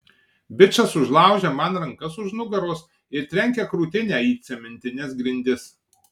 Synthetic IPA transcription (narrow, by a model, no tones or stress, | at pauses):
bʲɪt͡ʃɐsʊʒlˠɑˑʊʒʲɛːmɐnɾɐŋkɐsʊʒnʊɡɐɾoːs | ɪɾt̪ʲɾʲɛŋʲkʲɛkɾuːt̪ʲɪnʲæːiːt̪ʲsʲɛmʲɪnʲt̪ʲɪnʲɪsɡɾʲɪnʲd̪ʲɪs